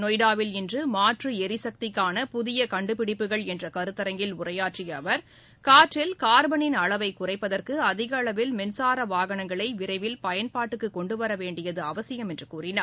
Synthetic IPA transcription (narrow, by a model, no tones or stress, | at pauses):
nɔjɽaːʋɪlɛndrɯmaːʈrɯɛɾɪsɐk̚t̪ɪkːaːnɐpʊðɪjɐkɐɳɖɯpɪɽɪpːɯɣɐɭɛndrɐkɐɾɯt̪ːɐɾɐŋɡɪlʊrɐjaːʈrɪjɐʋɐɾ | kaːʈrɪlkaːɾbɐɳɪnɐɭɐʋɐɪkʊrɐɪpːɐðɐrkɯɐðɪɣɐːɭɐʋɪlmɛnsaːɾɐʋaːɣɐɳɐŋɡɐɭɐɪʋɪrɐɪʋɪlpɐjɐnpaːʈːɯkːɯkːɔɳɖɯʋɐɾɐʋeːɳɖɪjɐðɯɐʋɐsɪjɐmɛndrɯkuːrɪnɐɾ